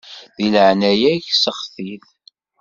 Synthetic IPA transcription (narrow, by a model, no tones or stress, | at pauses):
ðiləʕnæjæçsəχθiθ